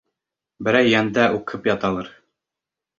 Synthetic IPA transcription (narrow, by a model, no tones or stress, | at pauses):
bɘ̆ɾæjːænd̪æʔuqʰɤpjɑt̪ɑlˠɤɾ